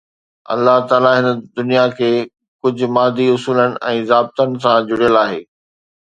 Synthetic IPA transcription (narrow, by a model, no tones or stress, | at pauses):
ɐ̰lːaɦt̪aːlaɦɪnə̆d̪ʊnijakʰeː | kʊd͡ʑʱʊ̆maːd̪ʱiʊsuːlənɪ̆ʔɛ̃ːzaːb̚t̪ənɪ̆s̬ãd͡ʑʊɽ̤ijəlaːɦeː